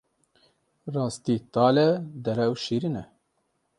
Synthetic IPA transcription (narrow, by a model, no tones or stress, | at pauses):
rɑːst̪iːt̪ɑːlɛd̪ɛɾɛwʃiːɾinɛ